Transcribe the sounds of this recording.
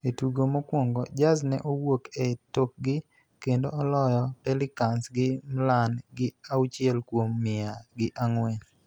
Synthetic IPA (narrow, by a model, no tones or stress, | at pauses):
etuɡomokwoŋɡɔd͡ʒaznɛ̰ʔowokɛtok̚ɡɪ | kendoɔlɔjɔpɛlɪkansɡɪmlanɡɪawt͡ʃɪɛlkwomːɪaɡɪʔaŋwɛn